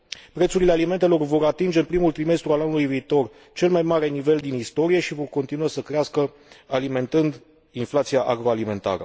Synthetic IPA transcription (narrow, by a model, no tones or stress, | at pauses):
pɾe̞t̪suɾile̞alime̞nt̪e̞lo̞rvo̞ɾat̪ind͡ʒe̞ɨnpɾimult̪ɾime̞st̪ɾualanulujviːt̪o̞r | t͡ʃe̞lmajmaɾe̞nive̞ld̪inist̪o̞ɾije̞ʃivo̞rko̞nt̪inuasəkɾeaskə | alime̞nt̪ɨnd̪ | inflat̪sijaʔaɡɾo̞alime̞nt̪a̰ɾə̰